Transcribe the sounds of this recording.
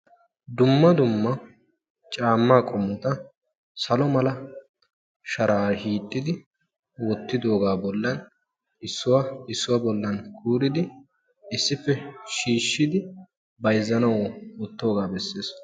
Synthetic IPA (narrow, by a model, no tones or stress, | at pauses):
d̪ʊmːɐd̪ʊmːɐ | t͡ʃʼaːmːaːkʼɔmːɔt̪ɐ | sɐlɔmɐlɐ | ʃɐɾaːhiːt̪ʼːɪd̪ɪ | wɔt̪ːɪd̪o̞ːɡaːbɔlːɐn | ɪsːʊwɐɪsːʊwabɔlːɐnkʰuːɾɪd̪ɪ | ɪsːɪfɛʃiːʃːɪd̪ɪ | bɐjzːɐnɐwɔwɔt̪ːo̞ːɡaːbɛsːeːs